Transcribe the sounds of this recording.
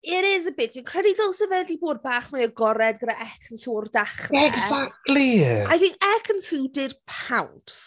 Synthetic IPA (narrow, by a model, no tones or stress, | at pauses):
ɪɾɪzəbɪtʰjɔkʰr̥ɛdidolˠsəvɛdiboːd̚baːχmaəɡɔɾɛdɡədaʔɛkʰənsuːrdaχrɛɡzak̚tliajθɪŋkɛkʰənsuwdɪd̥pʰawnts